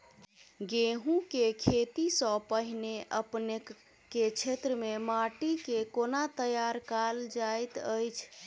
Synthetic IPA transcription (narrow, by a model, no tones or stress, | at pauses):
ɡeɦũkekʰet̪isə̃pəɦineʔəpne | kːet͡ʃʰet̪ɾəmemaʈikekonat̪əjaɾkald͡ʒajt̪əjt͡ʃʰ